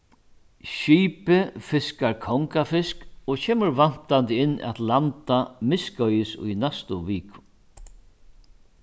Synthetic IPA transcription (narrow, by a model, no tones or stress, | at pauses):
ʃiːpɪfɪskaɾkʰɔŋkafɪskɔt͡ʃʰɛːməɾvan̥t̪ant̪ɪɪnːɛ̰t̪lant̪amɪskœɥjɪsʊ̰jnɛst̪ʊʋiːkʊ̥